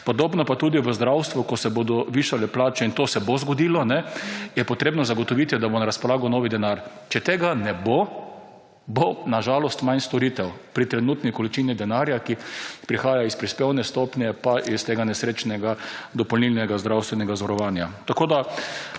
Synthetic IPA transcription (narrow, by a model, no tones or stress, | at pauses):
pɔd̪oːbnɔpat̪uːd̪iʋəzd̪ɾawst̪ʋukɔsɛboːd̪ɔʋiʃalɛplaːt͡ʃɛint̪osɛbozɡɔd̪iːlɔnɛjɛpɔt̪ɾeːbnɔzaɡɔt̪ɔʋit̪id̪abonaɾaspɔlaːɡɔnɔːʋid̪ɛnaɾt͡ʃɛt̪eːɡanɛbo | bonaʒaːlɔst̪majnst̪ɔɾit̪ɛwpɾit̪ɾɛnuːt̪nikɔlit͡ʃinid̪ɛnaɾjakipɾixaːjaispɾispewnɛst̪opnjɛpaʔist̪eːɡanɛsɾeːt͡ʃnɛɡad̪ɔpɔlnilnɛɡazd̪ɾawst̪ʋɛnɛɡazɔɾɔʋaːnjat̪akoːd̪a